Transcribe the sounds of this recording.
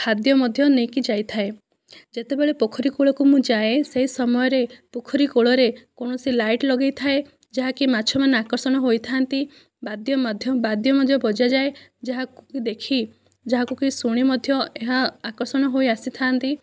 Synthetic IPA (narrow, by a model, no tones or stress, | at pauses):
hʰad̪jɔmɔd̪ʱjɔnekid͡ʒajt̪ʰae | d͡ʒet̪ebeɭepokʰɔɾikoɭɔkumũd͡ʒaeseɦisɔmɔjɔɾepokʰɔɾikoɭɔɾekoɽ̃ɔsilajʈlɔɡejt̪ʰae | d͡ʒaɦakimaːt͡ʃʰɔmaneakɔɾsɔɽ̃ɔɦojt̪ʰaːnt̪i | bad̪jɔmad̪ʱjɔbad̪ʱjɔmɔd̪ʱjɔbɔd͡ʒad͡ʒaed͡ʒaɦakukid̪ekʰi | d͡ʒaɦakukisuɽ̃imɔd̪ʱjɔeɦaakɔɾsɔɽ̃ɔɦojasit̪ʰaːnt̪i